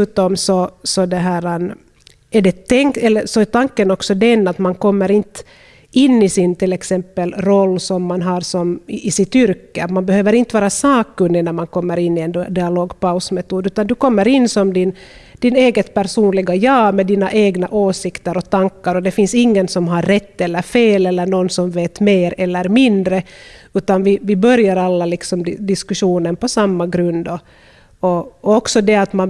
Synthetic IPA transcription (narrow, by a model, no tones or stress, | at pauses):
t̪ɔmsɔsɔd̪ɛɦæːɾan | ɛɖɛt̪ɛŋɛlːəsɔɛt̪ʰaŋkːənɔksɔd̪ɛnːat̪mankɔmːəɾɪnt̪ | ɪnːɪsɪnt̪ʰɪlɛksɛmpːəlɾɔlːsɔmːanɦɑɾsɔmʔːsɪt̪ʏɾkːəat̪manbɛhøːvəɾɪnt̪əvɑːɾasɑːkːɵnd̪ɪnæɾmankʰɔmːəɾɪnːɪɛnd̪ɪaloːɡpaʊsmɛt̪uːd̪ʉːt̪and̪ɵkɔmːəɾɪnːsɔmd̪ɪn | d̪̥ɪneːɡət̪pæɾʂuːnlɪɡajɑːmɛd̪iːnaʔeːɡnaʔoːsɪkt̪əɾɔt̪aŋkːaɾɔd̪ɛfɪnsɪŋːənsɔmɦaɾːɛt̪ːɛlːəɾfeːlɛlːəɳɔnːsɔmveːt̪meːɾɛlːəɾmɪnd̪ɾəʉ̟ːt̪anvɪvɪbœɾjaɾalːalɪksɔmɪd̪ɪskʉʂuːnənpɔsamːaɡɾɵnd̪ɔ | ɔɔksɔd̪ɛat̪man